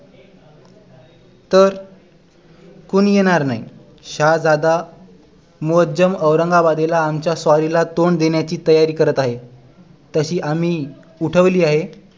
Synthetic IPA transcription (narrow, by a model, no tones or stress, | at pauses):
t̪əɾ | kuːɳjeɽ̃aɾnaḭ | ɕad͡zad̪a | muɦəd̪d͡ʑəməʋɾəŋɡabad̪elaːmt͡ɕjasʋaɾilat̪oɳd̪eɳjat͡ɕiːt̪əjaɾiːkəɾət̪aɦe | t̪əɕiːʔamiː | uʈʰəʋliːaɦe